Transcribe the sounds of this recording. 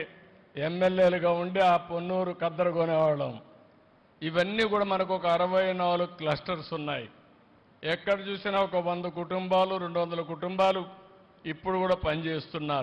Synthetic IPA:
emːeljeːluɡaːuɳɖiaːponːuːɾukɐd̪ːɐɾɐɡoːnɛʋaːɽɐm | iʋɐnːiːkuːɽaːmɐnɐk̬uɔkɐːɾɐʋɐjɐnaːluklɐsʈɐɾsunːa̰ːjḭ | ɛkːɐɽɐt͡ʃuːsinaːɔkɐʋond̪ɐk̬uʈumbaːluɾe̞ɳɖuʋɐnd̪ɐlɐk̬uʈumbaːlu | ipːuɽukuːɽaːpɐnit͡ʃe̞ːst̪unːaːɾ

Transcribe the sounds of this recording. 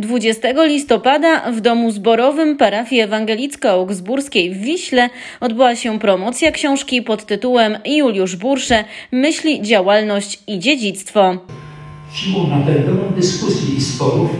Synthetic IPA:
d̪vud͡ʑɛst̪ɛɡɔlʲist̪ɔpad̪avd̪ɔmuzbɔɾɔvɘmpaɾafʲjɛːvaŋɡɛlʲit̪skauɡzbuɾskʲejvːʲiɕlɛ | ɔd̪bɘwaɕɛpɾɔmɔt̪sʲjakɕɔ̃w̃ʂkʲipɔt̪ːɘt̪uwɛmjulʲjuʐbuɾʂɛmɘɕlʲid͡ʑawalnɔɕt͡ɕid͡ʑed͡ʑit̪st̪fɔ | fɕimɔnat̪ɛɾd̪ɛwɔ̃wd̪ɘskusʲjiispɔɾuf

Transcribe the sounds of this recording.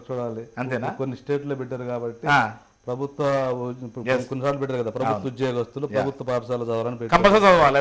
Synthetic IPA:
t͡ʃuːɽaːliɐnt̪enakonːisʈe̞ːʈloːbiʈːaːɾukaːbɐʈːia | pɾɐbʱut̪wʋɐpːɽkonːisaːʈlɐpɛʈːaːɾkɐd̪aːpɾɐbut̪ːɐud͡ʒeːɡɐst̪ulopɾɐbʱut̪ʋɐpaːpʂaːlɐd͡ʒɐːʋɐɾɐːnipeːkɐmpɐsɐsɐʋalː

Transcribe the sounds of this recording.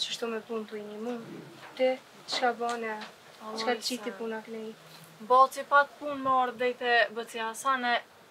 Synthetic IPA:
t͡ʃəʃt̪umɛpunt̪uiɲəmunt̪ɛ | t͡ʃkabɔnɛ | ɔkḁt͡ʃit̪ipunaknɛi | bɔt͡sipak̚punmɔɾd̪ɛjt̪ɛbət͡siasanɛ

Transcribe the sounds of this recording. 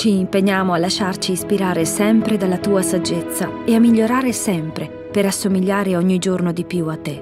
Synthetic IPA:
t͡ʃiːmpeɲːaːmoalːaʃart͡ʃiispiɾaːɾesɛmpɾed̪alːat̪uːasad͡ʒːet̪sːaeamːiʎːoɾaːɾesɛmpɾe | peɾasːomiʎːaːɾeɔɲːid͡ʒornod̪ipjuat̪ːe

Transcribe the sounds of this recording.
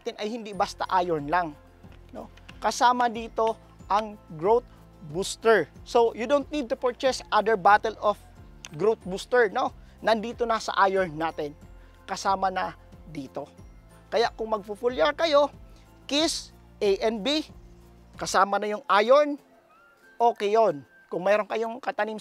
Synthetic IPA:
t̪ɪnʔɐjhɪnd̪ibast̪a̰ʔajoɹnlaŋ | no̰ | kɐsaːmɐd̪iːt̪o̞ | ʔɐŋɡɹowt̪̚ | bust̪ɛɹsojʊd̪ont̪̚nid̪̚t̪ʊpoɹt͡ʃɛsʔad̪əɹbat̪ɛlof | ɡɹowt̪̚bust̪ɛɹno | nɐnd̪iːt̪onɐsɐ̰ʔajɔɹnːaːt̪ɪn | kɐsaːmɐnɐ | d̪iːt̪o̞ | kɐjaʔkʊŋmɐɡ̚fufuljɐɹkɐjo̞ | kɪs | ʔejʔɛnbi | kɐsaːmɐnɐjʊŋʔajoɹn | ʔoːkɛjon | kʊŋmɛːɾonkɐjoŋkɐt̪ɐnim

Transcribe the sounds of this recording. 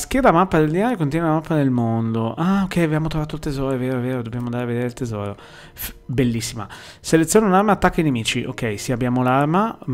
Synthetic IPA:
skjɛd̪amapːad̪eld̪inaːɾjokont̪jɛneamapːanelmond̪oʔaokʰːɛjabjaːmot̪ɾovaːt̪oilt̪ezɔːɾoeveːɾoeveːɾod̪objaːmond̪aːɾaved̪eːɾelt̪ezɔ̰ːɾo | fbelːisːima̰ | selet̪sːjoːneunarmaːt̪ːakːainemiːt͡ʃiʔo̰kːɛjsiabjaːmolarma

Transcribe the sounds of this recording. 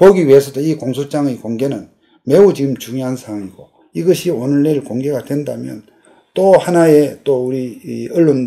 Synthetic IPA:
poɡiɥie̞sʰʌdoikoŋsʰot͡ɕ͈aŋekoŋɡe̞nɯn | me̞ut͡ɕiɡɯmt͡ɕuŋjoɦansʰaaŋiɡ̥o | iɡʌɕʰionɯɭːeɾɯɭkoŋɡe̞ɡadwe̞ndamjʌ̰n | t͈ohanae̞t͈ouɾiʌɭːon

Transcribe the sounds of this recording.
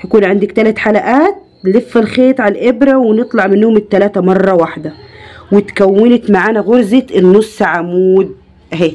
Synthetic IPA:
hakuːnʕand̪ɪkt̪ælæt̪ħalæʔaːt̪̚ | lɪfːalxeːt̪ˤʕalʔebɾæwɪnɨt̪ˤlɑʕmɪnːoːmɪt̪ːælaːt̪æmɑrˤːɑwaħd̪æwɪt̪kæwːɪnɪt̪maʕaːnæɣʊɾzet̪ʔɪnːʊsːaʕamuːd̪̚ | ɦe

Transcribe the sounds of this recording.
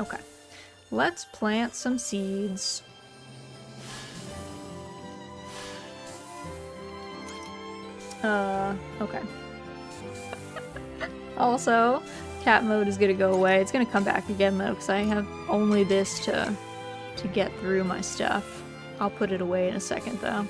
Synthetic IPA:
oʊkʰeɪ | lətspʰl̥æ̃ntsʌ̃msidz̥ | ʌ | oʊkʰeɪ | ʔɔlˠsoʊ | kʰæʔ̚moʊɾɨzɡʌɾɨɡoʊəweɪɨtsɡ̥ʌñɨkʰʌ̃mbæ̰k̚ɨɡɛ̃nðoʊkʰʌzaɪɨv | ʔõʊ̃nliðɪstʰɨ̰ | tʰɨɡɛt̪̚θɹʉmaɪstʌ̰f | aɪlˠpʰʊɾɨɾəweɪɨ̃nɨsɛ̰kɨ̃nðo̰ʊ

